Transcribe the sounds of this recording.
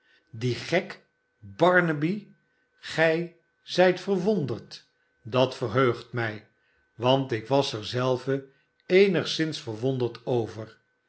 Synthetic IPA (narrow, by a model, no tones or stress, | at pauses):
diχɛk | bɑɹnəbi | χɛj | zɛjtfəɹʋondəɹt | dɑtfərɦøɥχtmɛj | ʋɑntɪkʋɑsɛɹzɛlˠvə | ejnəχsɪnsfəɹʋondəɹtowvər